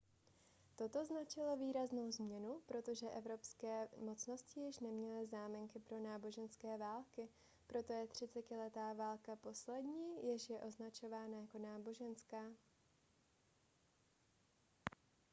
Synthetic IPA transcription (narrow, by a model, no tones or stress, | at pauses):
t̪o̞t̪o̞znat͡ʃɪlo̞viːɾazno̞wzmɲɛnupɾo̞t̪o̞ʒɛʔɛvɾo̞pskɛːmo̞t͡sno̞scɪjɪʃnɛmɲɛlɪzaːmɪŋkɪpɾo̞naːbo̞ʒɛnskɛːvaːlkɪ | pɾo̞t̪o̞jɛt̪r̝̥ɪt͡sɛcɪlɛt̪aːvaːlkapo̞slɛdɲiːjɪʃjɛʔo̞znat͡ʃo̞vaːnajako̞naːbo̞ʒɛnskaː